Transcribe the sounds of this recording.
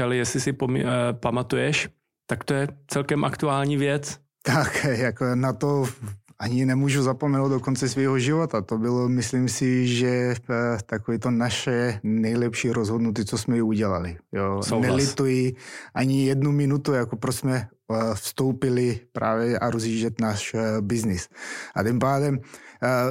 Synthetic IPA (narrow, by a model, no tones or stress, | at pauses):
ɛlɛjɛsɪsɪpom̰pamat̪ujɛʃ | t̪akt̪ojɛt͡sɛlkɛmʔakt̪uaːlɲiːvjɛt͡s | t̪akjaknat̪oʔaɲɪnɛmuːʒuzapomɛnowd̪dokont͡sɛsviːɦoʒɪvot̪at̪obɪlomɪslimsɪʒɛ | t̪akoviːt̪onaʃɛnɛjlɛpʃiːɾozɦodnut̪̬it͡sosmɛuɟɛlalɪjonɛlɪt̪ujiʔaɲɪjɛdnumɪnut̪ujakopɾosmɛ | fst̪owpɪlɪpɾʔa̰ːvjɛaɾozɦiːʒɛt̪naːʃbɪznɪsʔat̪impaːdɛm